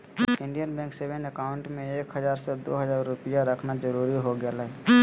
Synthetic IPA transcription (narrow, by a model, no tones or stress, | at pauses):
ɪ̃ɳɖijənbɛ̃ːŋksebənəkaːʊ̃ɳʈmẽeːkɦəzaːɾsed̪o̰ːɦəzaːɾːʊpɪjaɾəkʰnad͡ʒəɾuːɾiɦoɡalaɦɛ